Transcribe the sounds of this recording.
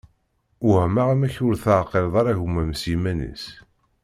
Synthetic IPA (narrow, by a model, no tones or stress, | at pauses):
whmaʁæmæçʊɾθəʕqːelðˤɑɾˤæʝumːæmsimænə̰s